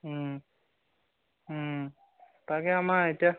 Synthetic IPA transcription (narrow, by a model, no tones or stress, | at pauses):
t̪akɛamaetia